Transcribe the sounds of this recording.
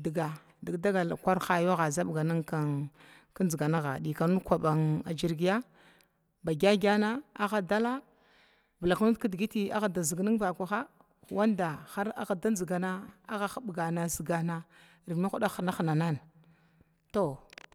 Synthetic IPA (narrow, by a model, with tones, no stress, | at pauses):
di˨ɡa˨ | di˨ɡda˦ɡa˨lkʷa˦ɾxa˦˨jo˦ɣa˨za˦bɡa˨na˦ŋka˦ | ka˦nzɡa˨na˦ɣa̰˨ɗi˨ka˨nu˦kʷa˨ɓa˨ŋa̰˨d͡ʒi˦ɾɡi˦ja˦ | ba˨ɡʲa˦ɡʲa˦na˦a˦ɣa˨da˦la˦ | bə˨la˨knu˦tki˦dɡi˦ti˦a̰˦ɣa˨da˨zi˨ɡni˦ŋva˨kʷa˨xa˦˨ | wa˦nda˨xa˦ɾa˦ɣa˨da˦nzi˨ɡa˨na˦a˦ɣa˨xa˦ɓɡa˨na˨zi˨ɡa˨na˦ | ɾi˨ni˦xu˦ɗa˦xna˦xna˨na˦n | to˦˨